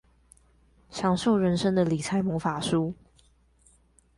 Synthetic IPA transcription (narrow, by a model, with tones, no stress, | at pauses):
ɕjɑ˧˥ŋʂo˥˨ʊɻə˧˦nʂə˥ŋd̪ə˨li˨˩t͡sʰa˧˥ɪmɔ˧˥fa˨˩ʂu˦